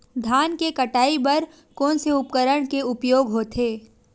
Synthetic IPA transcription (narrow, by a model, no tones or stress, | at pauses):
d̪ʱaːnkekɐʈaːibɐɾ | kõːnseʊpkəɾəɽ̃keʊpjoːɡɦoːt̪ʰeː